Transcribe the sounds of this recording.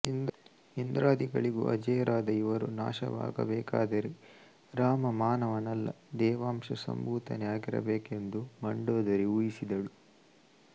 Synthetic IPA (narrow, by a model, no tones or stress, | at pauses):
ind̪ɾaːd̪iɡɐɭiɡṵʔɐd͡ʒɐjɐɾʔaːd̪ɐiʋɐɾuna̰ːʃɐ̰ʋa̰ːɡɐ̰bɛːka̰ːd̪ɐɾi | ɾaːmɐmaːnɐʋɐnɐlːɐ | d̪ɛːʋaːmʂɐsɐ̰mbuːt̪ɐnɛjaːɡiɾɐ̰beːke̞nd̪umɐɳɖoːd̪ɐɾiujisid̪ɐɭu